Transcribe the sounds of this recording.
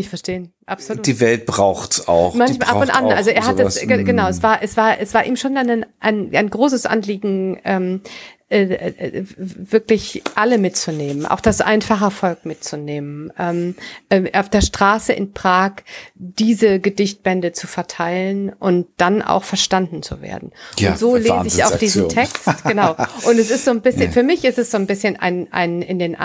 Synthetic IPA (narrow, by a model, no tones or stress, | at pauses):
ɪçfɛɐʃteːən | ʔapsod̥iːvɛlt̚b̥ʁaʊxa̰ʊxmançaʔaʊntʔa̰nʔalzoeːɐhatd̥aəɡənaʊɛsv̥aːɐʔɛsv̥aːɐʔɛsv̥aːɐʔiːmʃoːndannʔaɪna̰ɪnɡʁoːs̬əsʔa̰nliːɡŋ̩ʔɛːmʔɛː | vɪɐklɪçʔaləmɪt̚t͡suneːmənʔa̰ʊxd̥asʔa̰ɪnfaχəɛɐfɔlk̚mɪt̚t͡suneːmənʔɛːmʔɛːʔaʊfd̥eːɐʃtʁ̥aːsəʔɪ̰npʁ̥aːkd̥iːzəɡədɪçt̚b̥ɛndət͡sufɛɐtʰaɪlənʔʊnt̚d̥anʔa̰ʊxfɛɐʃtandn̩t͡sṵvḛːɐdn̩ʊntz̥oːleːzəɪa̰ʊfd̥iːzzm̩tʰɛkstɡ̥ənaʊʔʊntɛsɪstz̥oːnbɪsçənfyːɐmɪçɪstɛsz̥oːnbɪsçəna̰ɪnʔa̰ɪnɪndeːnʔ